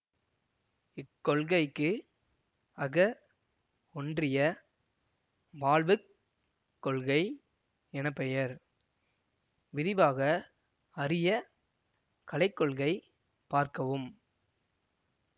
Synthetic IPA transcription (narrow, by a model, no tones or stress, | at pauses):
ɪkːɔɭɣɐɪkːɯ | ɐɣɐ | ɔndrɪjɐ | ʋaːɭʋɯkː | ɔɭɣɐɪ | ɛnɐpːɛjɐɾ | ʋɪðɪʋaːɣɐ | ɐɾɪjɐ | kɐlɐɪkːɔɭɣɐɪ | paːɾkɐʋɯm